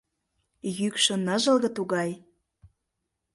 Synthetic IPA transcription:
jykʃɤ̆nɤʒɤ̆lɣɤ̆t̪uɣɑj

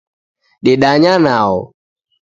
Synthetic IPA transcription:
ɗɪɗaɲanaɔ

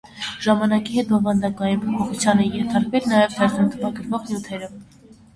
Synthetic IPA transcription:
ʒ̥ɑmɑnɑkiɦɛt̪̚bɔvɑnd̪ɑkɑjinpʰɔpʰɔχut͡sʰjɑnɛjɛnt̪ʰɑɾkvɛlnɑjɛvt̪ʰɛɾnɑnt̪ʰəvɑɡəɾvɔʁnjut̪ʰɛɾə

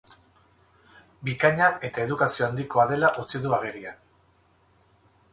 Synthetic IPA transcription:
bikaɲae̞t̪ae̞ðukasio̞and̪iko̞aðe̞laʔot͡siðuaɣ̞e̞ɾian

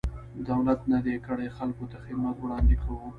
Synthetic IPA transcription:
d̪awlat̪nad̪ekəɽexalkot̪axɪd̪mat̪wɽɑnd̪ekʰawu

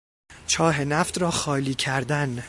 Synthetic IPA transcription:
t͡ʃʰɒːɦe̞næft̪ɾɒːxɒːliːcʰæɾd̪æn

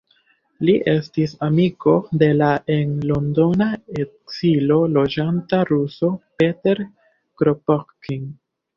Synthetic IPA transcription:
liʔe̞stisamiko̞de̞laʔe̞nlondo̞naekz̥ilo̞lo̞d͡ʒantaɾuso̞pe̞te̞ɾ | kɾopokkiŋ

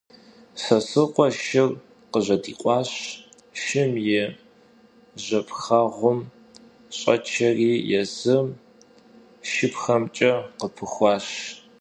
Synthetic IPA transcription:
sɐsɨqʷʼɔʃɪr | qəʑɐdḭːqʷʼɑːɕ | ʃɪmjɛ | ʑɐpxaʁʷʊm | ɕʼɐ̰t͡ʃʰɐriːjɛzɨm | ʃɪpxɐmt͡ʃʼɐqəpʰɨxʷɑːɕ

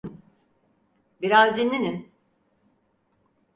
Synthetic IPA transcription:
biɾazd̪inːinin

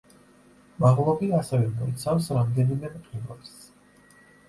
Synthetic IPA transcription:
maʁlˠɔbiasɛvɛmɔit̪sʰafsɾamd̪ɛnimɛmqʼilas

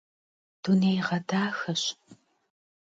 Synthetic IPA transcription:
d̥unejʁɐdaːxɐɕ

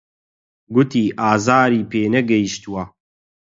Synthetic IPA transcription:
ɡʊt̪iːʔaːzaːɾiːpeːnɛɡɐjiʃt̪uwɐ

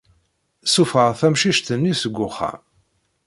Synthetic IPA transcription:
sufəʁθæmʃiʃt̪ənːisəɡʷːʊχæ̰

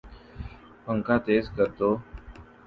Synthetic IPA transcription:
pəŋkãːt̪eːzkəɾt̪oː

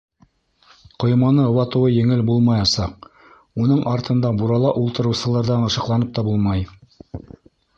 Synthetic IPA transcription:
qŏjmɑnɤŏwɑt̪ɤ̆wɤjɘ̆ŋɘlbulˠmɑjɑsɑq̚ | unɤɴʔɑɾt̪ʰɤ̆nd̪ɑbuɾɑlˠɑʔulˠt̪ɤ̆ɾɤ̆wsɤ̆lˠɑɾðɑnɤ̆ʃɤ̆qlˠɑnɤp̚t̪ɑbulˠmɑj

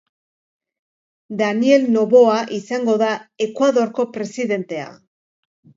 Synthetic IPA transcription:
d̪anie̞lno̞βo̞aʔisaŋɡo̞ðae̞kwaðo̞ɾko̞pɾe̞siðe̞nt̪e̞a̰

